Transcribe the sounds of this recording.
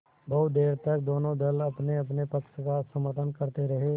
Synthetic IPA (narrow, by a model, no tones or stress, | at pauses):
bɐʊt̪d̪eːɾt̪ɐk̚d̪oːnõd̪ɐlɐpneɐpnepɐkʃkasəməɾʈ̪ənkəɾt̪eɾɐɦe